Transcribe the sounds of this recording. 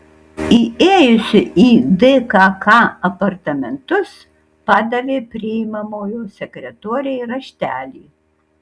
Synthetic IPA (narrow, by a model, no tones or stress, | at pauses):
iːeːjʊsʲʊʔiːd̪ɛkɑːkɑːɐpɐɾt̪ɐmʲɛnt̪ʊs | pɑːd̪ɐlʲeːpʲɾʲɪimɐmoːjoːsʲɛkɾʲɛt̪oːɾʲɛjɾɐʃʲt̪ʲæːlʲiː